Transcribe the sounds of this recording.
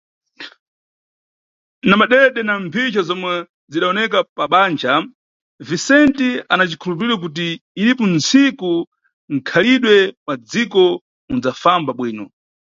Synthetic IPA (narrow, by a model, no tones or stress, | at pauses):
namaɗɛɗɛnampʰit͡ʃazɔmwɛ | ziɗaɔnɛkapaɓaːnd͡ʒa | visɛntianat͡ʃikʰulup̬iɾiɾwak̬ut̬iːɾipɔnt͡siku | ŋ̩kʰaliɗwɛpad͡zikɔ | und͡zafambaɓwiːnɔ